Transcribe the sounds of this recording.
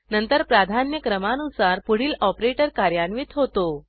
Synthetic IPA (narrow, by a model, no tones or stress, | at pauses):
nənt̪əɾpɾad̪ʱanjəkɾəmanusaɾpuɽ̤iːlɔpɾeʈəɾkaɾjanʋit̪ɦot̪o